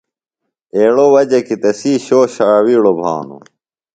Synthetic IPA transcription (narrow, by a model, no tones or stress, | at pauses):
eːɭowɐd͡ʑekit̪ɐsiːɕoːɕaːwiːɽobʱa̰ːnṵ